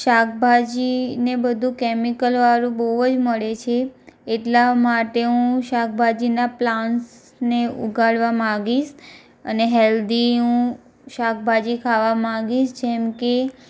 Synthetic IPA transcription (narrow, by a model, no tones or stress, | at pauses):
ʃakʰbʱad͡ʒinebəd̪ʱũkɛmikəlʋaɾũbəuəd͡ʒməɭet͡ʃʰeːʈlamaʈeũʃak̚bʱad͡ʒinaplans | neṵɡaɭʋamãɡiʃ | əneɦɛld̪iũ | ʃak̚ʰbʱad͡ʒikʰaʋamãɡiʃd͡ʒɛmke